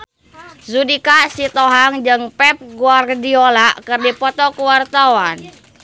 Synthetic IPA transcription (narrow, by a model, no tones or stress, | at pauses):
zudikasit̪ɔɦaŋd͡ʒɨŋpɛp̚ɡuardiolaʔkɨrdipɔt̪ɔkəwart̪awan